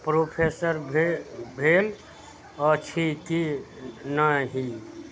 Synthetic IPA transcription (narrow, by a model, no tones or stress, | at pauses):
pɾopʰesəɾbbʱel | ət͡ʃʰiki | naɦi